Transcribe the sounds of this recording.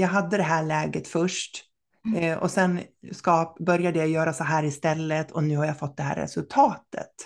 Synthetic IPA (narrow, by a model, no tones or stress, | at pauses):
jɑːɡɦad̪ːəd̪ɛɦæːɭɛːɡət̪fœʂʈ | ɔ̰sɛnskɑːpbœɾjad̪əjajœːɾasɔɦæːɾɪst̪ɛlːət̪ʰɔnʉ̟ːhaɾjafɔt̪̚ːd̪ɛɦæ̰ːɾɛ̰sɵlt̪ʰɑːt̪ə̰t̪